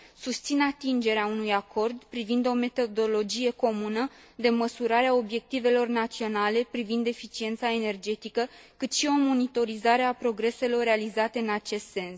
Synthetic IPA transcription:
sust̪sinat̪ind͡ʒe̞ɾeaunujakʰo̞rd̪pɾivind̪o̞me̞t̪o̞d̪o̞lo̞d͡ʒije̞ko̞munə | d̪e̞məsuɾaɾeao̞bje̞k̚t̪ive̞lo̞rnat̪sio̞nale̞pɾivind̪e̞fit͡ʃie̞nt̪sae̞ne̞rd͡ʒe̞t̪ikəkɨt̪ʃio̞mo̞nit̪o̞ɾizaɾe̞apɾo̞ɡɾe̞se̞lo̞re̞alizat̪e̞ɨnat͡ʃe̞st̪se̞ns

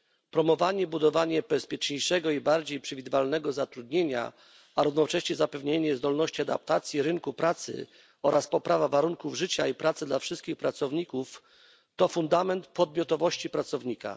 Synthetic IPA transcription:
pɾɔmɔvaɲɛbud̪ɔvaɲɛbɛspʲjɛt͡ʂɲejʂɛɡɔibaɾd͡ʑejpʂɛvʲid̪ɘvalnɛɡɔzat̪ɾud̪ɲeɲa̰ | aɾuvnɔt͡ʂɛ̃ɕɲɛzapɛvɲeɲɛzd̪ɔlnɔɕt͡ɕiad̪apt̪at̪sʲjiɾɘŋkupɾat̪sɘ̰ | ɔɾaspɔpɾavavaɾuŋkuvʐɘt͡ɕaipɾat̪sɘd̪lafʂɘst̪kʲixpɾat̪sɔvɲikuf | t̪ɔfund̪amɛnt̪pɔd̪̚mʲɔt̪ɔvɔɕt͡ɕipɾat̪sɔvɲika̰

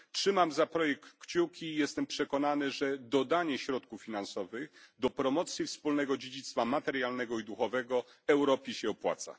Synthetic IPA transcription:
tʂɘmamzapɾɔjɛk̚t̪kːt͡ɕukʲijɛst̪ɛmpʂɛkɔnanɘʐɛd̪ɔd̪aɲɛɕɾɔt̪kufːʲinansɔvɘxd̪ɔpɾɔmɔt̪sʲjifspulnɛɡɔd͡ʑed͡ʑit̪st̪famat̪ɛɾjalnɛɡɔid̪uxɔvɛɡɔɛwɾɔpʲiɕɛɔpwa̰t̪sa̰

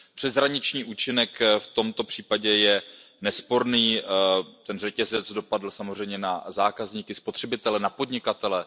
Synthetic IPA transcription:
pr̥ɛzɦɾaɲɪt͡ʃɲiːʔuːt͡ʃɪnɛkft̪o̞mt̪o̞pr̝̥iːpaɟɛjɛ | nɛspo̞ɾniː | t̪ɛnr̝ɛcɛzɛt͡sdo̞padl̩samor̝ɛjmɲɛnazaːkazɲiːkɪspot̪r̥ɛbɪt̪ɛlɛnapo̞dɲɪkat̪ɛlɛ

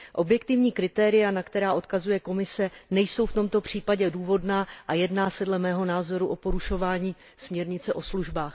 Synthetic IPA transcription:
ʔo̞bjɛkt̪ɪvɲiːkɾɪt̪ɛːɾɪjanakt̪ɛɾaːʔo̞t̪kazujɛko̞mɪsɛnɛjso̞wft̪o̞mt̪o̞pr̝̥iːpaɟɛduːvo̞dnaːʔajɛdnaːsɛdlɛmɛːɦo̞naːzo̞ɾuʔo̞po̞ɾuʃo̞vaːɲiː | smɲɛɾɲɪt͡sɛʔo̞sluʒbaːx

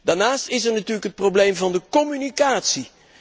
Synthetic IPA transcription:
d̥aːɹnaːstɪs̬ɛɹnatyːrləkɦət̚prowblejmvɑndəkɔmynikaːtsi

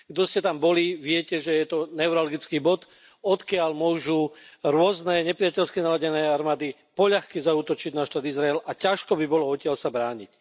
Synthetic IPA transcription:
ɡd̪ɔscɛt̪ambɔliʋɪɛcɛʒɛjɛt̪ɔnɛʊɾalɡit͡skiːbɔt̪ | ɔt̪kɪaʎmʊɔʒuɾʊɔznɛɲɛpɾɪacɛʎskinalaɟɛnɛːaɾmaːd̪i | pɔʎaxkizauːt̪ɔt͡ʃiɟnaʃt̪aːd̪izɾaɛlacaʃkɔbibɔlɔɔcɪaʎsabɾaːɲḭc

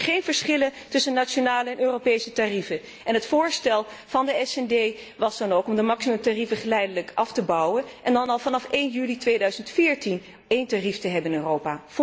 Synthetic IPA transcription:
χejnv̥əɹsχɪləntʏsənːat͡ʃonaːləɛnøːropejsətarivə | ɛnɦətfʊːɹstɛlˠ | v̥ɑndəɛsɛndej | ʋɑzdɑnowkɔmdəmɑksiməmtarivəχəlɛjdələkʔɑftəbɑwənʔɛndɑnɑlˠvɑnɑfejnjylitʋejdœɥzəntfɪːɹtin | ejntariftəɦɛbəɪnøːrowpaː

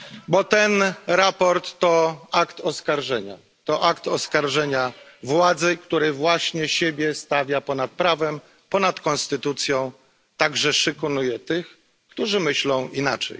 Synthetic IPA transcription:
bɔt̪ɛnɾapɔɾt̪ːɔakt̪ɔskaɾʐɛɲa̰ | t̪ɔʔakt̪ɔskaɾʐɛɲa | vwad̪zɘkt̪uɾɛvwaɕɲɛɕebʲjɛst̪avʲjapɔnat̪̚pɾavɛm | pɔnat̪kɔnst̪ɘt̪ut̪sʲjɔ̃w̃ | t̪aɡʐɛʂɘkunujɛt̪ɘx | kt̪uʐɘmɘɕlɔ̃w̃inat͡ʂɛ̰j

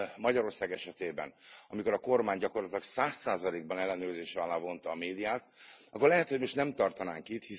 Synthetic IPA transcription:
mɒɟɒɾo̞rsaːɡɛʃɛt̪eːbɛ̰nɒmikoɾɒko̞rmaːɲɟɒko̞rlɒt̪ilɒksaːsːaːzɒleːɡ̚bɒnɛlːɛnøːrzeːʃɛɒlaːvo̞nt̪ɒːmeːd̪ijaːt̪ɒkːo̞rlɛɦɛt̪homo̞ʃtnɛmt̪ɒrt̪ɒnaːŋkit̪hi

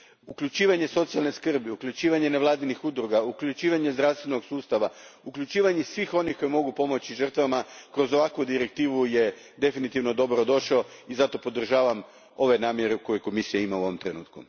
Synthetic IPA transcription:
ukʎut͡ʃiːʋaɲe̞so̞t̪sijalne̞skr̩biukʎʲut͡ʃiːʋaɲe̞neʋlˠaːd̪inixud̪ɾuɡaukʎʲut͡ʃiːʋaɲe̞zd̪ɾafst̪ʋe̞no̞ɡsuːst̪aʋaukʎut͡ʃiːʋaɲesʋiːxo̞nixko̞jemo̞ɡupo̞mo̞t͡ɕiʒər̩t̪ʋamakɾo̞zo̞ʋakʋud̪iɾe̞k̚t̪iːʋuje̞ | d̪e̞finit̪iʋno̞d̪o̞bɾo̞d̪o̞ʃaoizat̪o̞po̞d̪r̩ʒaːʋam | o̞ʋenaːmje̞ɾeko̞jeko̞misijaimauoʋomt̪ɾe̞nṵːt̪kṵ

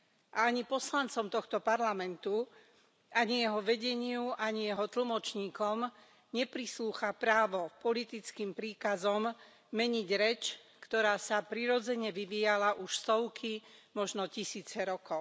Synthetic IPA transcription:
ʔaaɲipɔslant͡sɔmt̪ɔxt̪ɔpaɾlamɛnt̪u | ʔaɲijɛɦɔʋɛɟɛɲɪuʔaɲijɛɦɔt̪l̩mɔt͡ʃɲiːkɔm | ɲɛpɾisluːxapɾaːʋɔpɔlit̪it͡skiːmpɾiːkazɔmː | ɛɲiɟɾɛt͡ʃkt̪ɔɾaːsapɾiɾɔd͡zɛɲɛʋiʋiːjalaʔuʃst̪ɔʊkʰimɔʒnɔcisiːt͡sɛɾɔkɔʊ

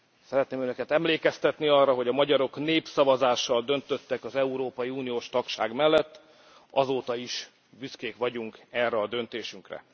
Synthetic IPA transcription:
sɛɾɛt̪neːmønø̞kɛt̪ɛmleːkɛst̪ɛt̪niɒrːɒɦo̞ɟɒmɒɟɒɾo̞kneːpsɒvɒzaːʃːɒld̪ø̞nt̪ø̞t̪ːɛkɒzɛuɾoːpɒjiuːnijoːʃt̪ɒkʃa̰ːɡmɛlːɛt̪ː | ɒzoːt̪ɒiʃ | byskeːkʋɒɟuŋkɛrːɛɒd̪ø̞nt̪eːʃyŋkrɛ̰

